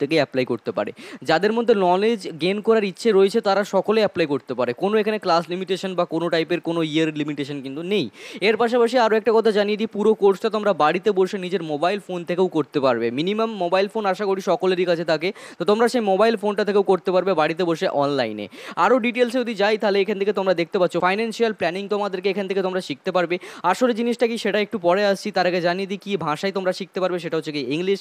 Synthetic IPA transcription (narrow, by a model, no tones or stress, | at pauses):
t̪ʰekeɛplajkoɾt̪epa̰ɾḛd͡ʑad̪eɾmod̪ʱːenɔled͡ʑɡenkɔɾaɾitːɕʰeɾoet͡ɕʰet̪aɾaʃɔkolejɛplajkoɾt̪epaɾekonoekʰaneklaslimiʈeʃonbakonoʈajpeɾkonoiaɾlimiʈeʃonkint̪unejeɾpaʃ̬apaʃ̬iaɾoɛk̚ʈakɔt̪ʰad͡ʑanijed͡ʑ̪ipuɾokoɾsʈat̪omɾabaɽit̪eboʃenid͡ʑeɾmobajlfont̪ʰekeokoɾt̪epaɾbeminimamːobajlfonaʃakoɽiʃɔkoleɾikat͡ɕʰet̪ʰaket̪ot̪omɾaʃejmobajlfonʈat̪ʰekeowkoɾt̪epaɾbebaɽit̪̬eboʃeʔɔnla̰jnḛaɾoɖiʈels̬eud̪id͡ʑajt̪ʰaɦleekʰant̪ʰeket̪omɾad̪ekʰt̪epatːɕʰofajnanʃialplɛniŋt̪omad̪eɾkeekʰanet̪ʰeket̪omɾaʃik̚t̪epaɾbeaʃoled͡ʑiniʃʈakiʃeʈaek̚ʈupɔɽeaʃt͡ɕʰit̪aɾaked͡ʑanied̪ikibʱaʃajt̪omɾaʃik̚t̪epaɾbeʃ̬eʈaɦoːekiiŋliʃ